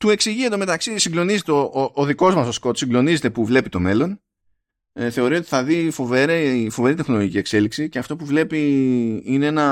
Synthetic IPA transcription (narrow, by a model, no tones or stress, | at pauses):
t̪ue̞ksiʝiet̪̬o̞me̞t̪ɐksisiɡlo̞nizet̪eooːðiko̞zmɐso̞sko̞t̪siŋɡlo̞nizet̪e̞puvle̞pit̪o̞me̞lo̞n | θe̞o̞ɾio̞t̪i̥θɐðifo̞veɾefo̞ve̞ɾit̪e̞xno̞loʝicie̞kse̞liksiceɐft̪o̞puvle̞piineenɐ